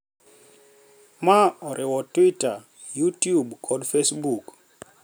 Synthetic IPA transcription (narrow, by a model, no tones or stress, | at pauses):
maɔɾʔɪwɔtwita | jutjubkʰɔdfesbuk